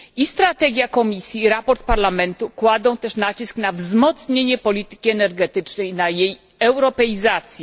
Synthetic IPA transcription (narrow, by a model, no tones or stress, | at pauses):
ist̪ɾat̪ɛɡʲjakɔmʲisʲjiːɾapɔɾt̪̚paɾlamɛnt̪ukwad̪ɔ̃w̃t̪ɛʂnat͡ɕisknavzmɔt̪sɲeɲɛpɔlʲit̪ɘ̥kʲiɛnɛɾɡɛt̪ɘt͡ʂnɛjnajej | ɛwɾɔpɛizat̪sʲjɛ